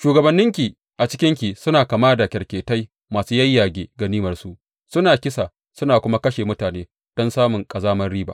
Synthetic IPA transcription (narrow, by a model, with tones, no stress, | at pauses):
ʃuː˨ɡɐ˨bɐ˨nːɪ˦ŋkʲi˨ | ʔa˨t͡ʃɪ̥˦kʲɪ˦ŋkʲi˨sʊ˦naː˨kaː˨maː˦da˨kʲɐ˨rkʲeː˨ta˦j | maː˨suː˦jɐ˦jːaː˨ɡʲeː˨ɡa˨niː˦mɐ˨rsu˦ʔ | sʊ˦naː˨kʲɪ˦sa˨ | sʊ˦naː˨kʷʊ˦ma˦kɐ˦ʃeː˨mʊ˦taː˨neː˦ | d̥ɔ˦nsaː˦mʊ˨ŋkʼɐ˨zaː˦mɐ˦rɽiː˦ba̰ː˨